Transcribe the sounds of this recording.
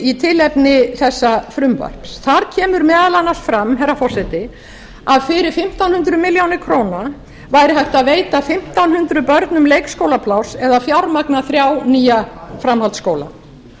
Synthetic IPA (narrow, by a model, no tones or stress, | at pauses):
it̪ʰɪlɛpnɪθɛsːafɾʏmva̰r̥psθaɾcʰɛːmʏɾmɛːðalanːaɾsfɾamɦɛɾːafɔ̥sɛt̪ɪ | aðfɪɾɪɾ̥fɪm̥t̪awnhʏnt̪ɾʏmɪljawnɪkʰɾoːwna | vajɾɪɦajht̪aðveːjt̪afɪm̥t̪awnhʏnt̪ɾʏpœɾt̪nʏmlejkskoːwlapʰlawsɛðafjawɾmaknaθɾjawniːjafɾamhalt̪skoːwla̰